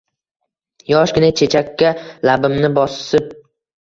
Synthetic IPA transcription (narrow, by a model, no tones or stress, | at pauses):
jɒʃkʲɪnat͡ʃʰe̞t͡ʃʰakʲʰːalabɪmnɪbɒsɪp̚